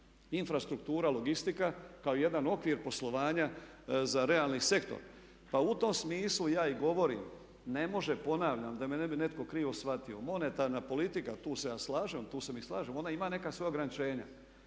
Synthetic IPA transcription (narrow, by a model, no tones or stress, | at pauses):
infɾast̪ɾuk̚t̪uːɾaloɡist̪ikakaoije̞d̪ano̞kʋiɾpo̞slˠo̞ʋaːɲa | zaɾe̞alˠnise̞kt̪o̰ɾ | paut̪o̞msmiːslujaːiɡo̞ʋo̞ɾḭːm | ne̞mo̞ʒepo̞naːʋʎamd̪amenebine̞t̪ko̞kɾiːʋo̞sʋat̪io̞mo̞ne̞t̪aːɾnapo̞lit̪ikat̪uːse̞jaːslaːʒemt̪uːsemislˠaːʒemo̞naimane̞kasʋo̞jaoɡɾanit͡ʃe̞ːɲa̰